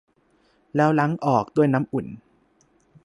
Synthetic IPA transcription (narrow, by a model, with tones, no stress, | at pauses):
lɛː˦˥wla˦˥ŋʔɔː˨˩k̚d̪u˥˩əjna˦˥mʔu˨˩˦n